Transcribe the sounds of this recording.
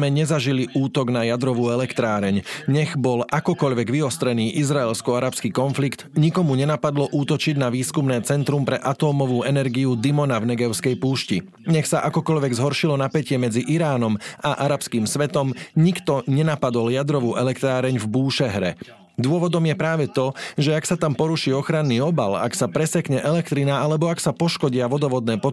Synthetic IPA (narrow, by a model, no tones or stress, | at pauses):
mɛɲɛzaʒiliʔuːt̪ɔɡnajad̪ɾɔʋuːɛlɛkt̪ɾaːɾɛɲɲɛɣbɔlʔakɔkɔʎʋɛɡʋiɔst̪ɾɛniːʔizɾaɛlskɔaɾapskiːkɔnflikt̪ɲikɔmuɲɛnapad̪lɔʔuːt̪ɔt͡ʃiɟnaʋiːskumnɛːt͡sɛnt̪ɾumpɾɛʔat̪ɔːmɔʋuːɛnɛɾɡiud̪imɔnavnɛɡɛʊskɛjpuːʃci | ɲɛxsaʔakɔkɔʎʋɛɡzɦɔɾʃilɔnapɛcɪɛmɛd͡ziʔiɾaːnɔmaʔaɾapskiːmsʋɛt̪ɔmɲikt̪ɔɲɛnapad̪ɔljad̪ɾɔʋuːʔɛlɛkt̪ɾaːɾɛɲvbuːʃɛɦɾɛ̰ | d̪ʊɔʋɔd̪ɔmjɛpɾaːʋɛt̪ɔʒɛaksat̪ampɔɾuʃiːɔxɾanːiːɔbala̰ksapɾɛsɛkɲɛʔɛlɛkt̪ɾinaalɛbɔaksapɔʃkɔɟɪaʋɔd̪ɔʋɔd̪nɛːpɔ